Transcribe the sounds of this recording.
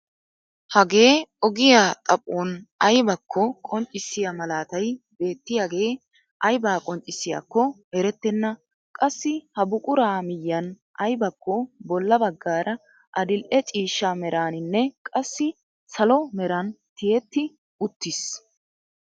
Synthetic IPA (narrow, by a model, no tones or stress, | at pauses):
hɐɡe̞ːɔɡɪjaːt̪ʼɐpʼːoːnɐjbɐkʰːɔkʼɔnt͡ʃʼːɪsɪjamɐlaːt̪ɐjbe̞ːt̪ːɪjaːɡe̞ː | ʔɐjbaːkʼɔnt͡ʃʼːɪsɪja̰kːɔhɛɾɛt̪ːɛnːɐ | kʼɐsːɪhɐbʊkʼʊɾaːmɪjːɐn | ʔɐjbɐkʰːɔbɔlːɐbɐɡːaːɾɐ | ʔɐd̪ɪlʔɛt͡ʃʼiːʃːamɛɾaːnɪnːɛkʼɐsːɪ | sɐlɔmɛɾɐnt̪ɪjɛt̪ːɪ | ʊt̪ːɪs